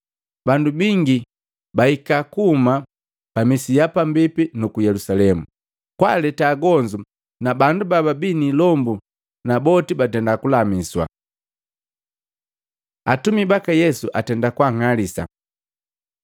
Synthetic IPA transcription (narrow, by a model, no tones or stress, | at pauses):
bandubiŋɡi | baikakuma | pamisijapambipinukujɛlusalɛmu | kwalɛtaːɡɔɲd͡ʒu | nabandubababinilɔmbu | nabɔtibatɛndakulamiswa̰ | atumibakajɛsuʔatɛndakwaŋalisa̰